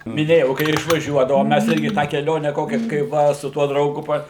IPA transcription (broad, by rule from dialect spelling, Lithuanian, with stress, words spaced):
mʲɪˈnʲeːjɛʊ kɐɪ ɪr ɪʃʋɐˈʒʲuɔdɐʋoːm ˈmʲæs ˈɪrʲɡʲɪ tɑː kʲɛˈlʲoːnʲæː ˈkoːkʲɛ kɐɪ ˈʋɐ sʊ ˈtuɔ drɐʊˈɡʊ pɐ